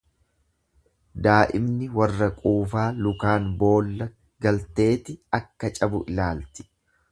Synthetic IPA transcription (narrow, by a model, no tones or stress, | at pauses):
d̪aːʔɪmnɪwɐrːɐkʼuːfaːlʊkaːnbo̞ːlːɐ | ɡɐlt̪e̞ːt̪ɪɐkːɐt͡ʃʼɐbʊʔɪlaːlt̪ɪ̥